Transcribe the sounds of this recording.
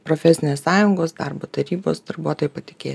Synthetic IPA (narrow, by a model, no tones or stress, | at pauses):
pɾoːfʲɛsʲɪnʲeːssɑːjʊŋɡoːsd̪ɑɾboːt̪ɐɾʲiːbo̰ːsd̪ɐɾbuɔt̪oːjɛpɐt̪ʲɪkʲeː